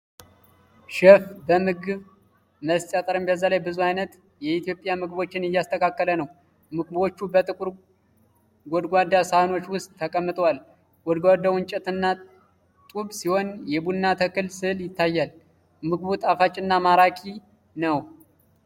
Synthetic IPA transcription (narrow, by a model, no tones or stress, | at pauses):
ʃɛfbəmɨɡɨβ | məst͡ʃʼat̪ʼəɾɨmbəzːalajbɨzuhajnət̪ | jɛit̪ʰjo̞pʼjamɨɡbo̞t͡ʃːɪnɪjːast̪ʰəkʰakːələnəw | mɨɡbo̞t͡ʃːubət̪ʼɨkʼuɾ | ɡɔd̪ɡʷad̪ːasahno̞t͡ʃːwʊst̪ʼːʰəkʼəmːɨt̪ʼwal | ɡɔd̪ɡʷad̪awɨnt͡ʃʼɛt̪ɨnːa | t̪ʼuβsiho̞njɛbuːat̪ʰəkɨlsɨljɪt̪ːajːal | mɨɡβut̪ʼafat͡ʃʼɪnːamaɾakʰi | nəw